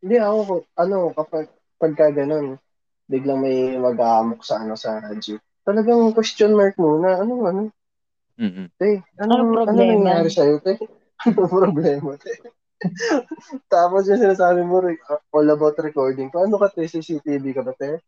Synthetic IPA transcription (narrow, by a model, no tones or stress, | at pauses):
ɪnd̪ɪɐkokʔɐno̞kɐpɐɡ̚ | pɐɡ̚kaɡɐno̞n | bɪɡlɐŋmɐjmɐɡaːmok̚sɐʔɐno̞sɐad͡ʒi | t̪ɐlɐɡɐŋkwɛst̪jonmaɹk̚muːnɐʔɐnoʔɐno | t̪ɛʔɐnoɐnonɐŋjaːɾɪsɐjot̪ɛ | ɐnopɾoblɛːmɐt̪ɛ | t̪aːposjʊŋsɪnaːsaːbɪmʊɾɛʔolɐbat̪ɾɛko̞ɹd̪ɪŋkoʔɐnokɐt̪isisit̪iːb̪ikɐbɐt̪ɛ